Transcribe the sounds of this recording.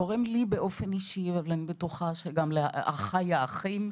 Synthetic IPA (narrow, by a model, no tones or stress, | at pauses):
oʁemlibeʔo̞feniʃivavlanibetuχaʃeɡamleaʔa̰χajaaχim